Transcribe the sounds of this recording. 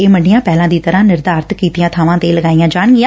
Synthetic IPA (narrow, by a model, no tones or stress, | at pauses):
eːməɳɖɪjãːpɛːlãːd̪iːt̪əɾãːnɪɾd̪aːɾt̪kiːt̪ɪjãːt̪ʰaːʋãːt̪eːləɡaːijãːd͡ʒaːɳ̃ɡɪjãː